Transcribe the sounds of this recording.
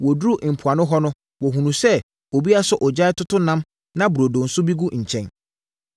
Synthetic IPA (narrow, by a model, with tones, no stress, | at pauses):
wɔ˨du˦ɾu˦ʔm̩˨pʰʊ˨a˨nʊ̃˦ɦɔ˦nʊ̃˦ | wɔ˨ɦũ˨nũ˨sɛ˦ | o˨bi˦a˦sʊ˦ʔɔ˨d͡ʑa˦ɪ˦tʊ˦tʰʊ˦nã˦m | nã˦bu˨ɾo˨do˨n̩˨sʊ˦bi˦ɡu˦ɲ̩˨t͡ɕʰɛ̃˦n